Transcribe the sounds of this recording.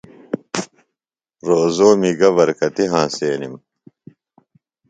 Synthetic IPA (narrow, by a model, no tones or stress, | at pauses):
ɾozoːmiɡɐβɐɾkɐt̪iɦãːseːnim